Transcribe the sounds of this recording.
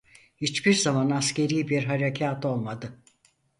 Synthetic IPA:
hit͡ʃbiɾzamanasce̞ɾiːbiɾɦaɾecʰaːt̪ʰo̞lˠmad̪ɯ

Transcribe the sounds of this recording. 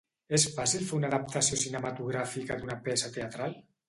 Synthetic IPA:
esfasilfeunaðap̚t̪asiosinemat̪uɣ̞ɾafikad̪unapɛsat̪eat̪ɾal

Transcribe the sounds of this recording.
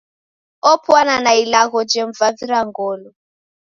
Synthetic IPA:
ɔpʰwananailaɣɔd͡ʒeɱvaviɾaŋɡɔːlɔ

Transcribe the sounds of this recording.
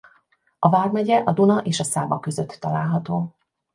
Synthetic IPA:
ɒvaːrmɛɟɛʔɒd̪unɒʔeːʃɒsaːbɒkø̞zøt̪ːɒlaːlɦɒt̪oː

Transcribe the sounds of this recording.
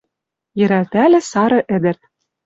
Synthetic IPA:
jɘ̆ɾælt̪ælʲɘ̆sɑɾɤ̆ʔɘ̆d̪ɘ̆rt̪̚

